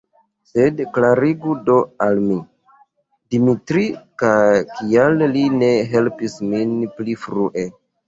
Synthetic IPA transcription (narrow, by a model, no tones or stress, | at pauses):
se̞dklaɾiɡudo̞almi | dimitɾikakialːine̞ɦe̞lpisminplifɾuʔe̞